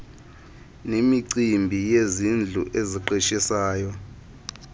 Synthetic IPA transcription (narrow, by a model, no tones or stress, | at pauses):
nemiǀimbʱijezind͡ɮʱuʔeziǃiʃisaːjɔ